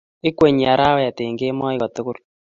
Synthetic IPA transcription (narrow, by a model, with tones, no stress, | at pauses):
ɪ˦kwe˨ɲi˨a˨ɾa˦wɔ˦ja˨te˨ŋɡe˦mɔ˦ɪ˦ɣɔ˨t̪ʊ˦kʊ˦ɾ